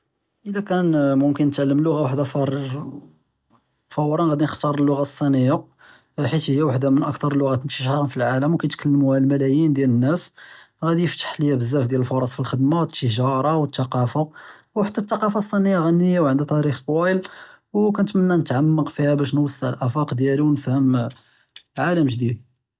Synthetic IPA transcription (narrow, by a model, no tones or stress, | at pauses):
ʔəlækænmʊmkənːət̪ʕalːəmlːʊɣawaħd̪æfɾ | fɑwɾˤɑnɣæd̪inəxt̪ɑɾˤəlːʊɣasˤːinəjːa | ħit̪həjːæwaħd̪amənʔəkt̪ɑɾˤəlːʊɣæt̪nəiʃħɑɾˤɑnfilʕaləmwkæjt̪kəlːəmuhælmælæjind̪jælənːæs | ɣæd̪ijəft̪ə̥ħləjːæbəzːæfd̪jæləlfoɾˤɑsˤfilxəd̪mat̪ːəʒɑɾˤɑwət̪ːɑqɑfawħat̪ːæt̪ːɑqɑfɑsˤːinəjːaɣænːəjːawʕənd̪æt̪ˤɑɾixt̪ˤwæjəl | wkænt̪mənːænət̪ʕamːəqfihæbæʃ̬nwəsˤːəʕlʔæfɑqd̪jæliwnəfhəm | ʕaləmʒd̪id̪̚